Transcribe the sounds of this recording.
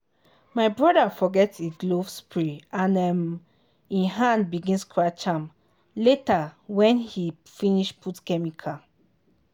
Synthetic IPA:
maɪbɹɔdafɔɡɛtseɡlovspɹiãnɛm | ĩnɦãndbiɡĩnskʰɹat͡ʃãm | letawɛ̃nhi | fĩniʃpʰutkɛmikʰa

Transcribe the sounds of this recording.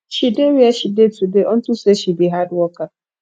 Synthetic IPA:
ʃideɾieʃidetudeʔɔn̩tuseʃibiɦadʊɔka

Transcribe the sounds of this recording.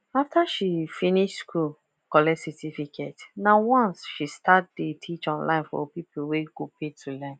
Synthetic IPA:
aftaʃifĩniʃtskʰul | kɔlɛd͡ʒsɛtifikʰɛtnawɔ̃nsʃistatdetʰit͡ʃɔ̃nlã̰ɪ̃nfɔ̰pipl̩weɡopetʰulɛ̃n

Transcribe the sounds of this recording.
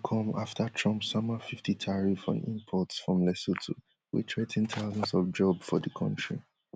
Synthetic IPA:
kʰɔ̃maftatʰɹɔ̃mpsɔmafiftitʰaɹifɔ̰̃nḭ̃mpʰɔtsfɹɔ̃mlɛsotʰo̰ | wḭtʰɹetʰɛ̃ntaʊzɔ̃nsɔvd͡ʒɔbsfɔdəkʰɔ̰̃ntɹi

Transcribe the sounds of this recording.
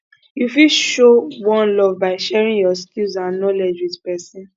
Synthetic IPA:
jufiʃowɔ̃nlɔvbaɪʃɛɹĩŋjɔskilzãnnɔled͡ʒwiðpɛsĩn

